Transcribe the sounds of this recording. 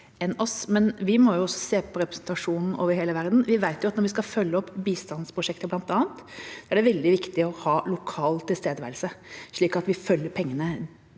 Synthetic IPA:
ɛnɔsmɛnʋɪmɔjʊɔsːɔ̥seːpʰɔɾɛpɾɛsnt̪ɑʂuːnn̩ʔo̰ːʋəɾɦeːləʋæɾd̪n̩ʋɪʋæɪt̪jʊɑt̪nɔɾʋɪskɑfœlːəɔpːbiːst̪ɑnspʰɾʊʂɛkt̪əblɑnt̪ɑːnt̪sɔæɖɛʋɛld̪ɪʋɪkt̪ɪɔhɑːlʊkʰɑːlt̪ʰɪlst̪eːd̪əʋæɪlsəʂɭiːkɑt̪ʋɪfœlːəɾpʰɛŋːənə

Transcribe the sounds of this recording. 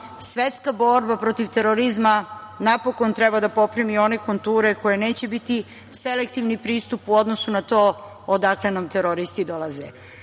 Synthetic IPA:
sʋe̞t̪skabo̞ɾbapɾo̞t̪iʋt̪e̞ɾoɾizmanapo̞ko̞nt̪ɾebad̪apo̞pɾimio̞neko̞nt̪uːɾeko̞jeneːt͡ɕe̞bit̪i | se̞lek̚t̪iʋnipɾiːst̪upuo̞d̪no̞sunat̪o̞ː | od̪akle̞namt̪eɾoɾist̪id̪o̞lˠaze

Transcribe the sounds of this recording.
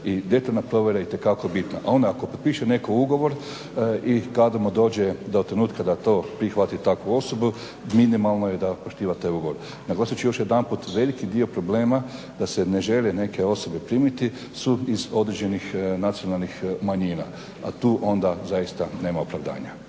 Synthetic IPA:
id̪e̞t̪alnapɾo̞ʋʲje̞ɾaeit̪e̞kakobit̪na̰ʔao̞nd̪aakopot̪̚piʃene̞kouɡo̞ʋo̞ɾ | ikad̪amud̪o̞ːd͡ʑed̪ot̪ːɾe̞nuːt̪kad̪at̪o̞ːpɾixʋat̪it̪akʋuo̞so̞bu | minimalˠnoje̞d̪apoʃt̪iːʋat̪aːjuɡo̞ʋo̞ɾ | naɡlaːsut͡ʃijoʃje̞d̪anput̪ʋe̞likid̪io̞pɾo̞ble̞ːma | d̪ase̞ne̞ʒe̞lene̞ke̞o̞so̞be̞pɾiːmit̪i | suizo̞d̪ɾed͡ʑe̞nixnat̪sio̞nalˠnixmaɲiːna̰ | a̰t̪uːʔo̞nd̪azajist̪ane̞ːmaopɾaʋd̪a̰ːɲa

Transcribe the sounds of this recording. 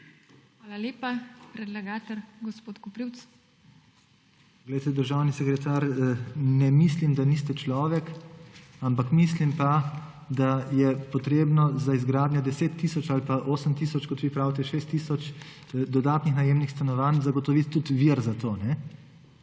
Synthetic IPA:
xʋaːlaleːpapɾɛd̪lɛɡaːt̪ɛɾɡɔspoːt̪kɔpɾiwt̪s | ɡlɛjt̪ɛd̪əɾʒawnisɛkɾɛt̪aːɾnɛmislimd̪anist̪ɛt͡ʃlɔːʋɛk | ampakmislimpa | d̪ajɛpɔt̪ɾeːbnɔzaizɡɾaːd̪njɔd̪ɛseːt̪ːisɔt͡ʃalipaʔoːsəmt̪isɔt͡ʃkɔt̪ʋiːpɾaːwt̪ɛʃeːst̪ːiːsɔt͡ʃ | d̪ɔd̪aːt̪nixnajemnixst̪anɔʋanzaɡɔt̪ɔʋit̪ːut̪ʋiɾzat̪oːnɛ

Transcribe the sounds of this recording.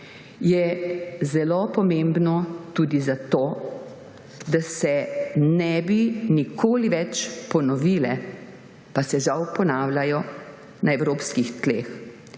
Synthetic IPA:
jɛzɛlopɔmembnɔt̪uːd̪izat̪oː | d̪asɛnɛbinikʰoːliʋɛt͡ʃpɔnɔʋiːlɛ̰ | pasɛʒawpɔnaːwlʲajɔ | naɛwɾoːpskixt̪leːx

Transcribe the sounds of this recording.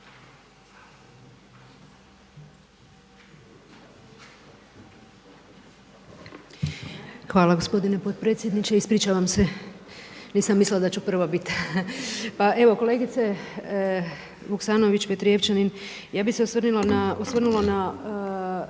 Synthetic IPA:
xʋaːlaɡo̞spo̞d̪ine̞po̞t̪̚pɾe̞ːt̪sje̞d̪nit͡ʃeispɾit͡ʃaʋamse̞ | niːsamːislilad̪at͡ɕupr̩ʋabit̪ | paʔe̞ʋo̞ko̞le̞ːɡit̪se | ʋuksaːno̞ʋit͡ɕpet̪ɾijeft͡ʃanin | jaːbiseosrnilanaosʋrnulana

